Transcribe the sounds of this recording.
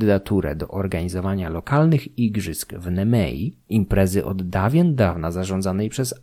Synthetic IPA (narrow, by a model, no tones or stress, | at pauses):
d̪ɘd̪at̪uɾɛ̰d̪ɔ̰ʔɔɾɡaɲizɔvaɲalɔkalnɘxiɡʐɘskvnɛmɛ̰jḭimpɾɛzɘʔɔd̪d̪avʲjɛnd̪avnazaʐɔ̃nd̪zanɛjpʂɛz